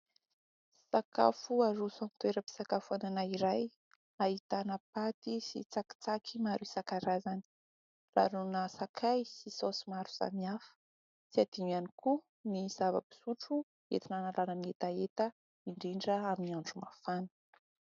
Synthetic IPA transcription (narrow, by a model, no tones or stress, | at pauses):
saka̰fuaɾusant̪weɾəpi̥sakafuananaiɾaj | ait̪anəpat̪isḭt͡saki̥t͡sakʰimaɾuisakaɾazani̥ | la̰ɾunəsakʰajsisosimaɾu̥sa̰miafə̥ | siad̪̥inianiku | niz̥ava̰pi̥suʈ͡ʂu | ḛt̪inanalanəmiet̪aet̪ə | iɳɖ͡ʐiɳɖ͡ʐəaminiaɳɖ͡ʐumafanə̥